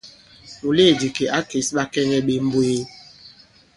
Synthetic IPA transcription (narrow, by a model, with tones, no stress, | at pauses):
mu˨le˦˨di˨ke˨ʔa˦ke˨˦sɓa˦kɛ˦ŋɛ˦ɓe˨m̩˦bo˦e˦